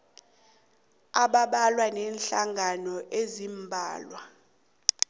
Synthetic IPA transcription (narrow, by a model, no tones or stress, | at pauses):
aɓaɓalwanɛːnɬaŋɡanɔʔezimbʱa̰ːlwa